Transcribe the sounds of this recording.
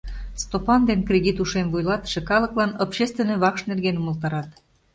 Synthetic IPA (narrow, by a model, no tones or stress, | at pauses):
st̪opɑnd̪enkrʲed̪ʲit̪uʃemvujlɑt̪ə̥ʃĕkɑləklɑnopɕest̪vʲenoβɑkʃnerɣenuməlˠt̪ɑɾɑt̪